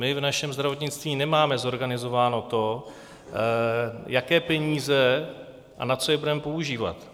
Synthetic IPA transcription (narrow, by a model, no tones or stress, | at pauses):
mɪvnaʃɛmzd̪ɾavo̞t̪ɲɪt͡st̪viːnɛmaːmɛzo̞ɾɡanɪzo̞vaːno̞t̪o̞ | jakɛːpɛɲiːzɛ | ʔa̰nat͡so̞jɛbudɛmɛpo̞uʒiːva̰t̪